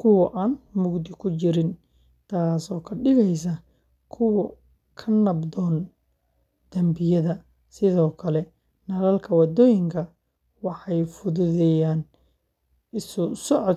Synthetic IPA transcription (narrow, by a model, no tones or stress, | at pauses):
kʰʊwɐʔaːnmʊɡd̪ɪkʰʊt͡ʃɪɾɪn | t̪ʰaːsɔːkʰɐɖɪɣɛjs̬ɐ | kʰʊwɐ | kʰɐnɐbd̪ɔːn | d̪̥ɐmbɪjɐðɐ | sɪðɔːkʰɐlɛ | nɐlɐlkʰɐwɑd̪ɔːjɪŋkʰɐ | wɑħɑjfʊðʊðɛjaːn | ɪsʊsɔʕɔd̪